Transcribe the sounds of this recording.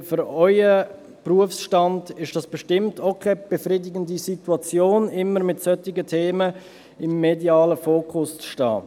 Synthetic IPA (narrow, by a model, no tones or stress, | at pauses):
fʏɾɔɪə | pruəfsʃtɑndɪʃd̥ɑsb̥ɛʃtɪmtʰokʰɛb̥ɛfriːdɪɡəndisituɑt͡sjoːnɪmːəɾmɪtsœtɪɡətʰeːmə | ɪmːediɑːləfoːkʰʊst͡sʃtɑ̰ː